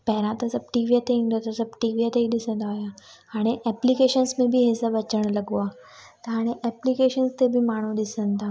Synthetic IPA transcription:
pɛɦɾãt̪əsɐb̚ʈiːʋiat̪ẽŋd̪ət̪ɐsɐb̚ʈiːʋiat̪ẽd̪ɪsə̃nd̪aɦoja | haːɽ̃eʔɛplikeʃənsmẽbʱiɦesəbɐt͡ʃəɽ̃lɐɡoa | t̪ɐɦaːɽ̃eʔɛplikeːʃənst̪ebʱimaːɽ̃ũd̪ɪsə̃nd̪a

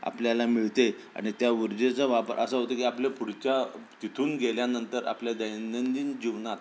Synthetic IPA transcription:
a̰pljalamiɭt̪e | a̰ɽ̃it̪jaʋiɾd͡ʑet͡səʋapə̰ɾʔə̰səɦot̪əkiaplepuɽt͡ɕat̪it̪ʰuːnɡeljanənt̪əɾa̰pljad̪əjnənd̪iːnd͡ʑiʋnat̪

